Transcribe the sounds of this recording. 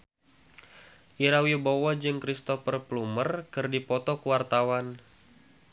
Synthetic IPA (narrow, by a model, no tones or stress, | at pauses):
ʔiɾawibowad͡ʒɨŋkɾist̪ɔfərplumərkɨrdipɔt̪ɔkuwart̪awan